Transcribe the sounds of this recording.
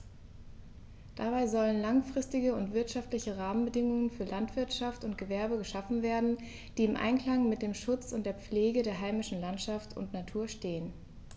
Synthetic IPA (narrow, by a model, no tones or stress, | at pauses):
d̥abaɪzɔlənlaŋfʁ̥ɪstɪɡəʊntv̥ɪɐtʃaftlɪçəʁaːmənbədɪŋʊŋənfyːɐlantv̥ɪɐtʃaftʊntɡ̥əvɛɐbəɡəʃafn̩veːɐdn̩ | d̥iːɪmʔa̰ɪnkl̥aŋmɪt̚d̥eːmʃʊt͡sʊntd̥eːɐp͡fleːɡədeːɐɦaɪmɪʃn̩lantʃaftʰʊ̰ntnatʰuːɐʃteːən